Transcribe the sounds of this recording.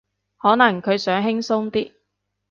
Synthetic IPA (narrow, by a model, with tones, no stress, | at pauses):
hɔː˨˥nɐ˨˩ŋkʰɵ˨˧ɥsœː˨˥ŋɦɪ˥ŋsʊ˥ŋt̪iː˥